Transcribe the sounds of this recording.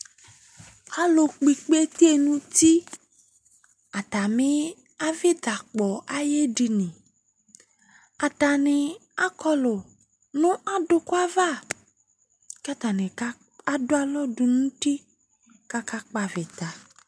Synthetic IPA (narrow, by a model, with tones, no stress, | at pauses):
a˦lo˨k͡pi˨k͡pe˦t̪e˦e˦nũ˦t̪i˦ | a˨t̪a˨mẽ˦ | a˦ve˦d̪a˨k͡pɔ˨a˨je˦ɖi˨nẽ˨ | a˨t̪a˨nẽ˨a˦kɔ˦lo˨ | nũ˦ʔa˦ɖo˦ko˦a˦va˦˨ | ka˦t̪a˨nẽ˨a˦ | a˦do˦a˦lɔ˦ɖo˨nũ˦t̪i˦ | ka˦ka˦k͡pa˨ve˨t̪a˨